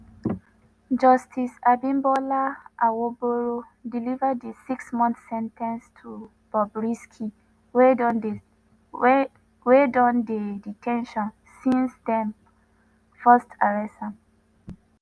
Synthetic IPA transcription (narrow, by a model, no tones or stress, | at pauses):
d͡ʒɔstʰisabĩmbɔlaʔawoboɹo | dilivədəsiksmɔ̃nθsɛ̃ntʰɛ̃nstʰu | b̥ɔbɹiskʰi | w | wedɔ̃ndeditʰɛ̃nʃɔ̃n | sĩnsdɛ̃n | fastʰaɹɛsãn